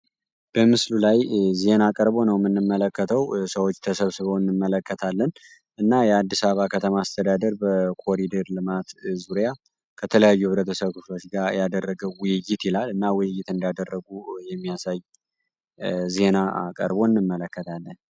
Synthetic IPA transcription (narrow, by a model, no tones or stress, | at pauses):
b̥əmɨslulajze̞nakʼəɾbo̞nəwmɨnːɨmːələkːət̪ʰəwsəwo̞t͡ʃːt̪ʰəsəβsɨβəwɨnːɨmːələkːət̪ʰalːən | ɨnːajɛad̪ːisaβakʰət̪ʰəmaːst̪ʰəd̪ad̪əɾbəkʰo̞ɾid̪əɾlɨmat̪zuɾja | kʰət̪ʰələjajːuhɨβɾət̪ʰəsəβkʰɨflo̞t͡ʃɡajad̪ərːəɡəwwʊjɪjːɪt̪ilalɨnːawʊjɪjːɪt̪ɨnd̪ad̪ərːəɡujɛmːijasaj | ze̞naakʼə̰ɾbo̞ɨnːɨmːələkːət̪ʰalːən